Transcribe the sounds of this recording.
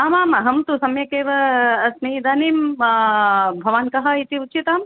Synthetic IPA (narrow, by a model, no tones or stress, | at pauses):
aːmaːmɐɦɐmt̪usɐmjɐkeːʋɐɐsnɐid̪aːniːm | bʱɐʋaːnkɐɦɐit̪iutːt͡ʃit̪aːm